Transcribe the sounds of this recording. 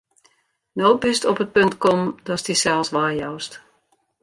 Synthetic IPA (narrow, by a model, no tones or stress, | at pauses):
noːbystɔpət̚pøntkɔmdɔstisɛlˠsʋaːjɔwst